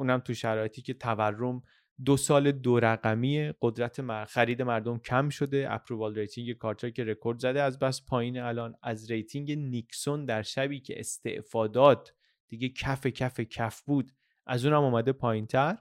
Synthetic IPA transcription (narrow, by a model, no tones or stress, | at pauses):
ʔuːnæmt̪ʰuʃæɾɒːje̞t̪ʰiːcʰe̞t̪ʰæværːo̞m | d̪osɒːled̪oɾæɣæmiːeɢ̥o̞d̪ɾæt̪ʰemxæɾiːd̪e̞mæɾd̪o̞mcʰæmʃo̞d̪e̞ʔæ̰pʰɾobɒːlɾe̞jt̪ʰiŋɟe̞kʰɒːɾt̪ʰece̞ɾekʰo̞ɾd̪zæd̪eæzbæspʰɒːjiːneælɒːnæzɾe̞jt̪ʰiŋɟe̞nikso̞nd̪æɾʃæbiːcʰe̞̰ʔest̪e̞̰ʔfɒːd̪ɒːt̪ʰ | d̪̥iːɟecʰæfe̞cʰæfe̞cʰæfbuːd̪ | ʔæzuːnæmɔːmæd̪e̞pʰɒːjint̪ʰæɾ